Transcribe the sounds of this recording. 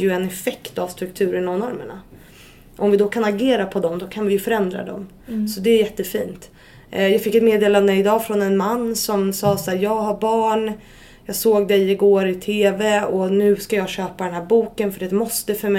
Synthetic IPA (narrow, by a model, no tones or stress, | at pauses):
jɵɛnɛfɛkt̪avst̪ɾɵk̚t̪ʰʉ̟ːɾəɳavnɔɾmə̰ɳa̰ | ʔɔmvɪd̪ɔkʰanaɡeːɾapʰɔd̪ɔmd̪ɔkʰanvɪjɵfœɾɛnd̪ɾa̰d̪ɔ̰m | sɔd̪ɛæjɛt̪ːəfiːnt̪ | jɑːɡfɪkːɛt̪meːd̪eːland̪əɪd̪ɑːfɾɔnɛnmanːsɔmsɑːsaːɾjɑːɡɦaɾbɑːɳ | jɑːɡsoːɡd̪ɛɪɡoːɾɪt̪ʰeːvɛɔnʉ̟ːskajɑːɡɕøːpad̪ɛnɦæːɾbuːkənfœɖɛt̪mɔst̪əfœɾmɛ